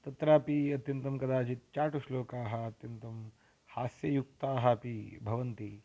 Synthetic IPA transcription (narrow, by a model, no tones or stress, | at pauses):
t̪ɐt̪ɾaːpiɐt̪jɐnt̪ɐmkɐd̪aːt͡ʃit̪̚t͡ʃaːʈuʃloːkaːɦɐ̆ːt̪jɐnt̪ɐm | haːsjɐjuk̚t̪aːɦɐpibʱɐʋɐnt̪i